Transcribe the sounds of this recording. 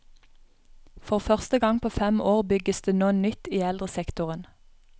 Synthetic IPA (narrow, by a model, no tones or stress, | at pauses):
fɔʁfœʁst̪əɡɑŋpʰoːfɛmoːʁbʏɡəsd̪̥eːnoːənnʏt̪iːɛld̪ʁəsɛkt̪ʊʁən